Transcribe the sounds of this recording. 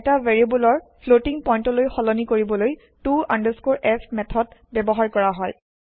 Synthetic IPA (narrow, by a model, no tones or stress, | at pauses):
ɛtaveɹiebulɔɹpʰlotiŋpɔjntɔlojxɔlɔnikoɹibɔloj | tuandəskoɹʔɛsmɛtʰɔdbɛbɔɦaɹkɔɹaɦɔj